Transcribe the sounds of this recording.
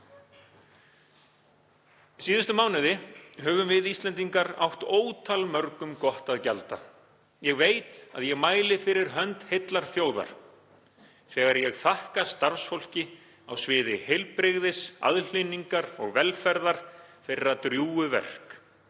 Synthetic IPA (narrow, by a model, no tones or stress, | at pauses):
siːðʏst̪ʏmaːwnɪðɪɦœːvʏmvɪðist̪lɛnt̪iŋkaɾa̰wht̪oːwt̪ʰalmœɾkʏmkɔht̪aðcalt̪a̰ | jɛɣveːjt̪a̰ðjɛɣmaːjlɪfɪɾɪɾɦœnt̪het̪laɾ̥θjoːwða̰ɾ̥ | θɛːɣaɾjɛɣθahkast̪aɾ̥sfol̥cɪ | a̰wsvɪːðɪhejlpɾɪɣðɪsa̰ðl̥ɪnːiŋkaɾɔ̰ɣvɛlfɛɾðaɾ̥θejrːat̪ɾjuːʏvɛ̰r̥k